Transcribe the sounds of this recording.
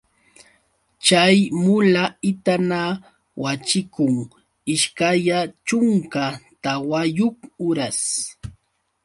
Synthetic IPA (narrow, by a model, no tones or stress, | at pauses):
t͡ʃajmʊlaɪt̪ana | wat͡ʃɪkʊŋ | ɪʃkajat͡ʃʊŋkat̪awajʊkʊɾas